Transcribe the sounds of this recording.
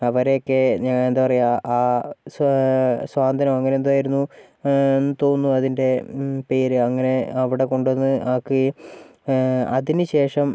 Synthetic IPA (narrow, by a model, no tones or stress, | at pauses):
ɐʋɐɾejokːeɲaŋːɭend̪aːpɐrɐjaʔaːssʋaːnd̪ʱɐnɐmɐŋːɐnend̪uaːjiɾunːu | enːɨt̪o̞ːnːuɐðinde̞pe̞ːɾɨɐŋːɐne̞ɐʋiɽe̞ko̞ɳɖonːɨʔaːkːɨ | ɐ̰ðinɨɕe̞ːʂɐm